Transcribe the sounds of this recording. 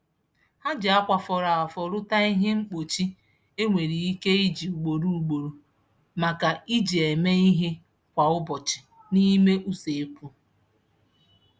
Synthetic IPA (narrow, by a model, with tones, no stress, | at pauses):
ha˦d͡ʒɪ˨a˦kʷa˨fɔ˨ɾa˨a˨fɔ˨ɾʊ˦ta˦i˦ɦe˦ŋ͡m̩˦k͡po˨t͡ʃi˦ | e˦ŋʷe˨ɾi˨i˦ke˦i˦d͡ʒi˨u˨ɡ͡bo˨ɾu˦u˨ɡ͡bo˨ɾu˨ | ma˨ka˨i˦d͡ʒi˨e˨me˦i˦ɦe˦ | kʷa˨ʊ˦bɔ˨t͡ʃɪ̥˨ | ni˦me˦ʔu˦se˨e˦pu˦